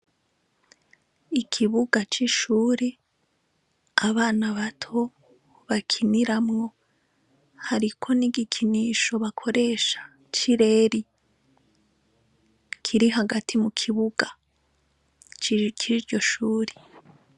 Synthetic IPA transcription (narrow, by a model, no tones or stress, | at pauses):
ikʰiβuɡat͡ʃiʃuːɾe | aβaːnaβatʰo | βakʰiniɾamŋo̞ | haɾikʰo̞niɡikʰiniːʃo̞βakʰo̞ɾe̞ːʃḁ | t͡ʃiɾe̞ːɾi | kʰiɾiɦaɡatʰimukʰiβuɡa | t͡ʃiɾɟo̞ʃuːɾe